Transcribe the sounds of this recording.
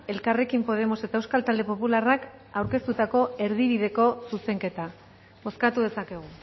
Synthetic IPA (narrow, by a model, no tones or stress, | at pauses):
e̞lkare̞kimpo̞ð̞e̞mo̞se̞t̪aewskalt̪ald̪e̞po̞pularak | awɾke̞st̪ut̪ako̞e̞ɾð̞iβ̞iðe̞ko̞suse̞ŋke̞t̪a | mo̞skat̪uðe̞sake̞ɣ̞u